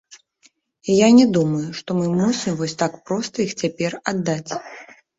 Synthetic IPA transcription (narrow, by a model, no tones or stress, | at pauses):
ijanʲɛd̪umɐjuʂt̪ɔmɨmusʲimvɔsʲt̪akpɾɔst̪ɐixt͡sʲapʲɛrad̪ːat͡sʲ